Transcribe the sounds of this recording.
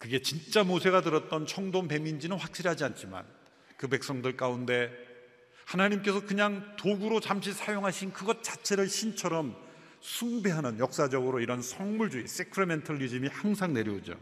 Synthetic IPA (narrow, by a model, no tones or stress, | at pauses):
kɯɡe̞t͡ɕint͡ɕ͈amosʰe̞ɣatɯɾʌt̚t͈ʌnt͡ɕʰʌŋdompe̞mind͡ʑinɯnɸwak̚ɕ͈iɾɦad͡ʑiant͡ɕʰima̰n | kɯpe̞k̚s͈ʌŋdɯɭk͈aunde̞ | hanaɲimk͈e̞sʰʌkɯɲaŋtoɡuɾot͡ɕamɕ̬ʰisʰajoŋɦaɕʰinkɯɡʌt̚t͡ɕ͈ḁt͡ɕʰe̞ɾɯɭɕʰint͡ɕʰʌɾʌm | sʰuŋbe̞ɦanɯnjʌk̚s͈ad͡ʑʌɡɯɾoiɾʌnsʰʌŋmuɭd͡ʑuis͈ekʰɯɾeme̞ntʰʌʎːid͡ʑimihaŋsʰaŋne̞ɾjiod͡ʑo̰